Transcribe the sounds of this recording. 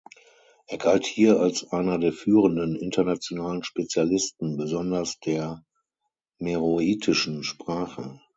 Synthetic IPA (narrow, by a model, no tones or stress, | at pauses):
ʔeːɐɡalthiːɐalsʔaɪnɐdeːɐfyːʁəndənɪntɐnat͡sjonaːlənʃpet͡sjalɪstn̩bəzɔndɐsd̥eːɐ | meʁoiːtʰɪʃn̩ʃpʁ̥aːχə